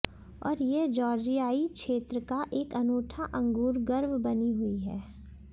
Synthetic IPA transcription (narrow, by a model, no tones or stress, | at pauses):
ɔ̰ːɾjeɦd͡ʒɔːɾd͡ʒijaːikʃeːt̪ɾəkaʔeːkɐnoːʈʰaʔɐ̃ŋɡuːɾɡɐɾʋbɐniɦʊiɦɛ̰ː